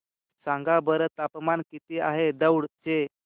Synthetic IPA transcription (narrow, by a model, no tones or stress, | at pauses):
sãŋɡabəɾət̪apmankit̪iaɦed̪əwɽt͡ɕe